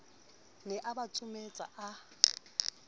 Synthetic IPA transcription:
nɛʔabat͡sʼʊmet͡sʼa̰ʔa

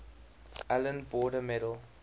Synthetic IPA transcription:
ʔalə̃nbɔːdəmɛdəl

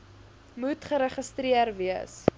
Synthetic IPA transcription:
mutχəɾəχəstɾiərviəs

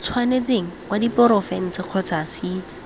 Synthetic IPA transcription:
t͡sʰwanet͡seŋ̩kwadipɔɾɔfɛn̩t͡sɪq͡χʰɔt͡sʰasiːda

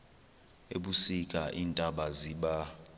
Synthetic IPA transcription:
ḛɓusikʼaʔintʼaɓaziɓa

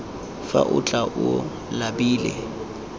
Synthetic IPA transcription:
fa̰ʔʊt͡ɬʼaʔʊ | labiːlɛ

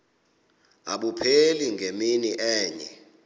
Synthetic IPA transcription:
a̰ɓupʰeliŋʱeminiʔɛːɲɛ

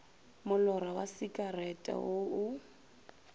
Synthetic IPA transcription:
mʊlɔɾawasikʼarɛtʼa̰ʊʊ

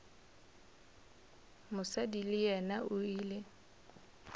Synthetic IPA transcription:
mʊsadilɪjɛnaʔʊiːlɪ

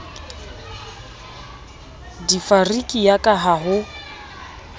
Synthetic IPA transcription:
difarikʼijakʼaɦaɦʊ

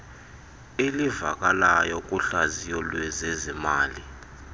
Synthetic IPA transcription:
iliva̰k̬ʼalajɔk̬ʼuɬazijɔlwɛzezimaːli

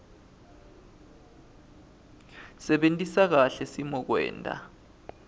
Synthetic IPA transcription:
sɛɓentʼisak̬aɬɛsimɔk̬wɛ̰ːntʼa̰

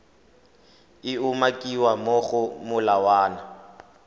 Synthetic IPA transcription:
ɪʊmakʼiwamoɣʊmʊlawaːna

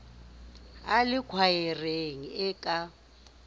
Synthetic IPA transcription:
alɪkʰwajɛreŋiɛkʼa

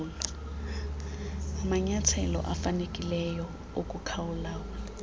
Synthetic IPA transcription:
lɔ | amaɲat͡sʰɛlɔ̰ʔafanekʼilɛjɔ | okʼukʰaʊlauːla

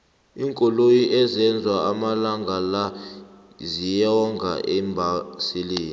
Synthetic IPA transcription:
iŋkʼɔlojiʔɛzɛnd͡zʱwaamalaŋɡʱala | zijɔŋɡʱa̰ʔɛmbʱasiliːni

